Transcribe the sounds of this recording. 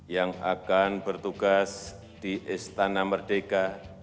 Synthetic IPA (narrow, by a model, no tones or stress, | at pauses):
jaŋakanbərt̪uɡas | d̥iʔɪst̪anamərd̥eka